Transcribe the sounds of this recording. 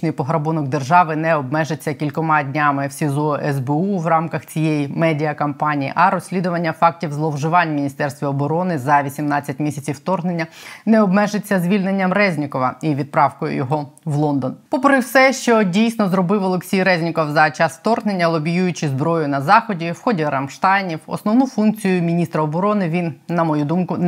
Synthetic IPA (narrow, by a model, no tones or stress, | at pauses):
nɪjpɔɦɾɐbunɔɡ̚d̪erʒɑʋɪnɛɔbmɛʒet͡sʲːɐkʲilʲkɔmɑdʲnʲamɪwsʲizɔʔɛzbeuwrɑmkɐxt͡sʲijejimɛdʲiɐkɐmpɑnʲijḭʔɐɾɔsʲlʲid̪ʊʋɐnʲːɐfɑk̚tʲiwzlˠɔwʒɪʋɑnʲmʲinʲist̪ɛrst̪ʋʲiɔbɔɾɔnɪzɐʋʲisʲimnɑt͡sʲːɐtʲmʲisʲɐt͡sʲiwt̪ɔrɦnenʲːɐnɛɔbmɛʒet͡sʲːɐzʲʋʲilʲnenʲːɐmrɛzʲnʲikɔʋɐiʋʲid̪̚pɾɑwkɔjʊ̰jɔɦɔʋlˠɔnd̪ɔnpɔpɾɪwsɛʃt͡ʃɔdʲijsʲnɔzɾɔbɪwɔlˠeksʲijɾɛzʲnʲɪkɔwzɐt͡ʃɑst̪ɔrɦne̞nʲːɐlˠɔbʲijujʊt͡ʃɪzbɾɔjʊnɐzɑxɔdʲiwxɔdʲiɾɐmʃt̪ɑjnʲiwɔ̰snɔʋnufunk̚t͡sʲijʊmʲinʲist̪ɾɐɔbɔɾɔnɪʋʲinːɐmɔjud̪umkʊ